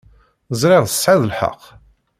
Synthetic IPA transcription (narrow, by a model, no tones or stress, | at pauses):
zˤɾɪʁðə̥sːʕaðəlħə̰qː